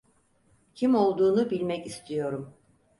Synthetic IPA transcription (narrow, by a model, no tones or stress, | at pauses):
cʰimo̞lˠd̪uːnubilʲmɛcist̪ʰijo̞ɾum